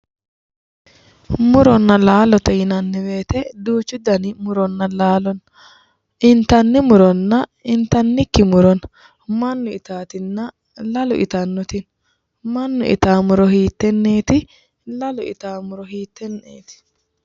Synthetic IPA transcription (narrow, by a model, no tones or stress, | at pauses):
mʊɾɔnːɐlaːlɔt̪ɛjɪnɐnːɪbeːt̪ɛd̪uːt͡ʃːʊd̪ɐnɪmʊɾɔnːɐlaːlɔn | ɪnt̪ɐnːɪmʊɾɔnːɐɪnt̪ɐnːɪkːɪmʊɾɔn | mɐnːʊɪt̪aːt̪ɪnːɐ | lɐlʊʔɪ̰t̪ɐnːɔt̪ɪn | mɐnːʊ̰ʔɪ̰t̪aːmʊɾɔhiːt̪ːɛnːeːt̪ɪ | lɐlʊɪ̰t̪aːmʊɾɔɦiːt̪ːɛnːeːt̪ɪ̥